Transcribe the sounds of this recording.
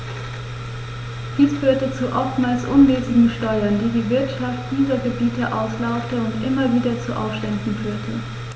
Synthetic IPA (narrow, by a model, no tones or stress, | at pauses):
d̥iːsfyːɐtət͡suʔɔftmaːlsʔʊnvɛːzɪɡŋ̩ʃtɔʏɐndiːdiːvɪɐtʃaftd̥iːʁɐɡəbiːtəʔa̰ʊslaʊktəʊntʔɪmɐviːdɐt͡suʔa̰ʊfʃtɛndn̩fyːɐtʰə